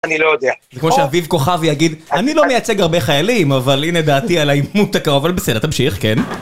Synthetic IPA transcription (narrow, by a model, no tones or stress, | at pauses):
anilojod̪eazekmoʃeavivko̞χavjaɡid̪anilo̞mejat͡se̞ɡaʁbe̞χajalimavalined̪aːt̪ialaimut̪akaoavalbesdet̪amʃiχken